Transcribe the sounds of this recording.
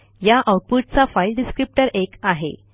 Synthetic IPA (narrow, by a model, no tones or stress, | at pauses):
jaʔawʈ̚puʈ̚t͡safajlɖiskɾip̚ʈəɾekaɦḛ